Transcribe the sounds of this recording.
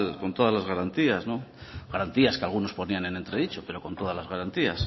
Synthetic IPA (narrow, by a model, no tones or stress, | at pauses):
ko̞nt̪o̞ðazlazɣaɾant̪iazno̞ɣaɾant̪iaskealɣ̞uno̞spo̞niane̞ne̞nt̪ɾe̞ðit͡ʃo̞pe̞ɾo̞kont̪o̞ð̞azlazɣaɾant̪ias